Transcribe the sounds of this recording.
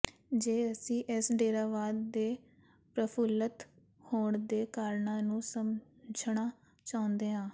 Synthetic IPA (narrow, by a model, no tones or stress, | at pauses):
d͡ʒeːəsĩːʔɪsɖeːɾaːʋaːd̪ːeː | pɾəpʰʊlət̪ | hoːɳd̪eːkaːɾɳãːnũːsəm | d͡ʒnaː | t͡ʃaːʊ̃nd̪eːɦãː